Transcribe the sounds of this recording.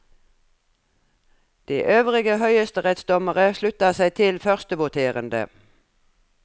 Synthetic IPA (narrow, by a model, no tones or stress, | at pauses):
d̪̥iːʔøːʋʁɪɡəhœʏəst̪əʁɛt̪sd̪ɔməʁəʃlʉt̪ɑsæɪt̪ʰɪlfœʁst̪əʋʊt̪ʰeːʁənd̪ə̰